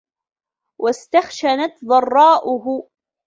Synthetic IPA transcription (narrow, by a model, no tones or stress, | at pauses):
wʔast̪axʃanat̪ðˤɑrˤːɑːʔʊɦʊ